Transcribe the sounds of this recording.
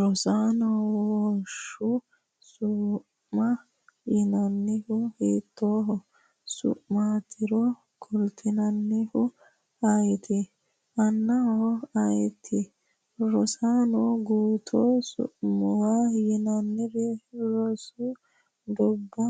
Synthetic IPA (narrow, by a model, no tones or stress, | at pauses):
ɾɔsaːnɔwɔʃʊ | sʊ | mɐ | jɪnɐnːɪhʊheːt̪ːoːɦɔ | sʊ̰ʔmat̪ʰɪɾɔ | kɔlt̪ʰɪnɐnːɪhʊ | ɐjt̪ʰɛ | ʔɐnːɐhɔɐjɛt̪ʰːɛ | ɾɔsaːnɔɡuːt̪ʰoːsʊ̰ʔmɔwajɪnɐnːɪɾɛɾɔsʊ | d̪ɔbːɐ